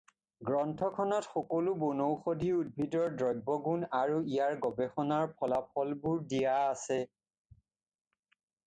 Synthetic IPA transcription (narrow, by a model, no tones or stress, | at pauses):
ɡɹɔntʰɔkʰɔnɔtxɔkolubonowxodʱiud̚bʱitɔɹdɹɔjbɔɡunaɹuijaɹɡɔbexɔnaɹpʰɔlapʰɔlbuɹdijaːsɛ